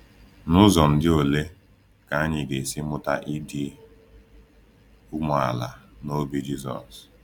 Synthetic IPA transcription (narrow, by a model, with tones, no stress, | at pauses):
nʊ˦zɔ˨m̩˨dɪ˦o˨le˦ | ka˨a˦ɲɪ˨ɡe˨sɪ˦mʊ˦ta̰˦ʔi˦di˦ | u˦m˨a˨la̰˨no˦bi˦d͡ʒi˦zɔ̰˨s